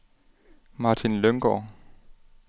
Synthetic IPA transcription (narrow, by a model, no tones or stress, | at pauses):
mɑ̈t͡sʰinløŋɡ̥ɒ̰ː